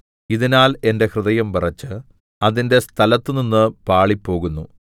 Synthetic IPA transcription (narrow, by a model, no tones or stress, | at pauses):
iðinaːle̞nde̞hrɨðɐjɐmpirɐt͡ɕːɨ | ɐðinde̞st̪ʰɐlɐt̪ːɨninːɨpaːɭipːo̞ːɣunːu